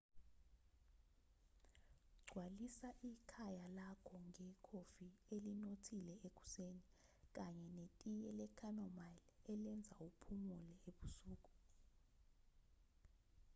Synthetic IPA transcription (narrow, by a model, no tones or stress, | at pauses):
ɡ͡ǀʱwalisaʔikʰajalakʰɔŋʱɛkʰofielinotʰilɛek̬ʼu̥seni | k̬ʼaɲɛnetʼijɛlɛkʰanɔmalɛlɛnd͡zʱaupʰumulɛeɓusuːk̬ʼu̥